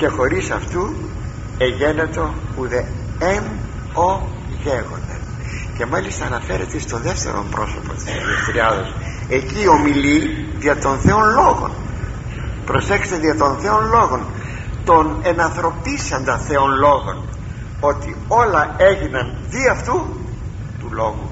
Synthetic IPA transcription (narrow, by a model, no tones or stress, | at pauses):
ce̞xo̞ɾisɐ̰ft̪u | eʝe̞net̪o̞uðeem | o | ʝeɣo̞̰nd̪ḛn | ce̞mɐlist̪ɐːnɐfe̞ɾḛt̪est̪o̞ðe̞ft̪e̞̰ɾo̞̰mpɾo̞̰so̞̰po̞̰t̪i̥sðiest̪ɾiɐðos | e̞ciːo̞miliðiɐt̪o̞nθe̞onlo̞ɣo̞̰n | pɾo̞sekst̪eðiɐt̪o̞nθe̞o̞nlo̞ɣo̞n | t̪o̞ne̞nɐnθɾo̞pisɐnd̪ɐθe̞onlo̞ɣo̞̰n | o̞t̪i | o̞lɐe̞ʝinɐnðiɐft̪u | t̪ulo̞ɣu